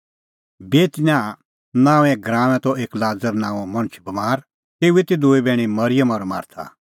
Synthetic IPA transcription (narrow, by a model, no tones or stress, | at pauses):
beːt̪nãː | nãːũɛ̃ɡɾaːmɛ̃t̪ɔʔeːklaːd͡zəɾnãːɔmɐñt͡ʃʰbɐmaːɾ | t̪eːuet̪id̪uebɛːɽ̃imɐɾɪjəmɔːɾma̰ːɾt̪ʰa̰